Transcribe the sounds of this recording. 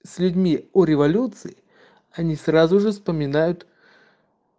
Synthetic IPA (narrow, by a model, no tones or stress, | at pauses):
sʲlʲʊdʲmʲiɔɾʲɪvɐlʲut̪sɨɪ | ɐnʲisrazʊʐɨfspəmʲɪnajʊt̪